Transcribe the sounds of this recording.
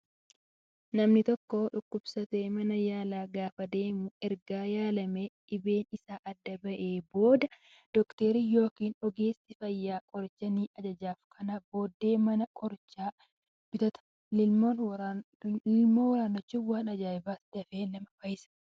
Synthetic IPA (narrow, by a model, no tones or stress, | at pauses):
nɐmnɪt̪ɔkːo̞ːᶑʊkːʊb̥sɐt̪eːmɐnɐjaːlaːɡaːfɐd̪e̞ːmuɛɾɡaːjaːlɐmeᶑɪbe̞ːnɪsaːʔɐd̪ːɐbɐʔe̞ːbo̞ːd̪ɐ | d̪̥ɔkt̪eːɾijo̞ːkiːnɔɡeːst̪ɪfɐjːaːkʼɔɾt͡ʃːɐniːʔɐd͡ʒɐd͡ʒaːfkʰɐnɐbo̞ːd̪ːeːmɐnɐkʼɔɾt͡ʃaː | bɪt̪ɐt̪ɐ̥ | ɪmoːn | moːwɐɾaːnːɔt͡ʃːɪwaːnɐd͡ʒaːɪbaːt̪d̪̥ɐfeːnɐmɐfɐjɪsɐ̥